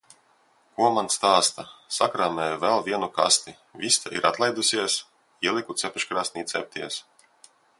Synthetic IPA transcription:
kuɔmanst̪aːst̪asakɾaːmɛːjvɛlˠvʲiɛnuka̰st̪i | vʲist̪aʔḭɾʔat̪lˠɛjd̪usʲiɛs | iɛlʲˠikut̪sɛpʲiʃkɾasnʲit̪sʲɛ̰p̚t̪ʲiɛs

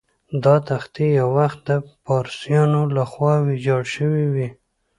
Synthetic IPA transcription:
d̪ɑt̪axt̪ijawwaxt̪̚d̪əpɑɾsjɑnolaxwɑwid͡ʒɑɽʃəwiwi

